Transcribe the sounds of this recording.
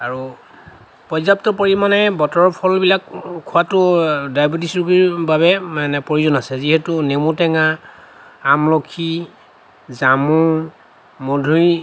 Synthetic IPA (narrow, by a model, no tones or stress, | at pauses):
aɹu | pɔzap̚tɔpoɹimanɛbɔtɔɹɔpʰɔlbilakkʰːʊwatʊdajbotisɹubiɹbaβɛmanɛpoɹuzɔnasɛziɦɛtunemutɛŋaː | mlɔkʰi | zamu | modʱuj